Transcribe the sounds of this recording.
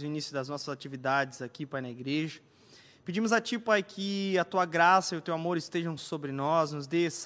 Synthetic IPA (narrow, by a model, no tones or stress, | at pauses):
ʊinisjʊd̪ɐznɔsɐzat͡ʃivid̪ad͡ʒɪzakipajnɐiɡɾeʒɐ | ped͡ʒĩmʊzat͡ʃipajkʰɪɐt̪uɐɡɾasɐiʊt̪ewamoɾɪst̪eʒɐ̃w̃sobɾɪnɔznʊzd̪es